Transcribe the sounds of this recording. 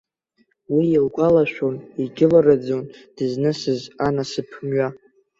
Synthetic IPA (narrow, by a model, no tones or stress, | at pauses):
wiilɡʷʼalaʃᶣoniɡʲɪlaɾad͡zond̥ɨznɨsɨzanasɨpʰmɥa